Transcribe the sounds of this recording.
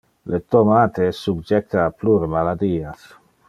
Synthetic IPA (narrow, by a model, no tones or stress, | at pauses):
let̪omat̪esubd͡ʒɛk̚t̪aːpluɾmalad̪iːas